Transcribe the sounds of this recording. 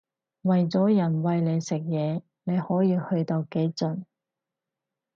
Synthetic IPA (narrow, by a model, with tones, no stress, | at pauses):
wɐ˨jt͡sɔː˨˥jɐ˨˩nwɐ˨jle˨˧jsɪ˨k̚jɛː˨˧ | ne˨˧jhɔː˨˥jiː˧hɵ˧ɥt̪o˧wke˨˥jt͡sɵ˨n